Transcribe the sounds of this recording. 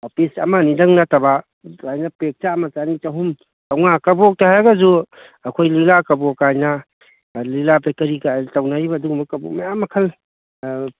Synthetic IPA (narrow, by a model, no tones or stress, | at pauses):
hopʰisɐ̰manidɐŋnataba | kajnapek̚t͡ʃamat͡ʃanit͡ʃaɦum | tawŋakɐbɔk̚taɦajaɡazu | ɐkʰojlilakɐbɔokajna | lilapekɐɾikatawnaibaːduɡmbɐkɐbɔmajamːɐkʰɐl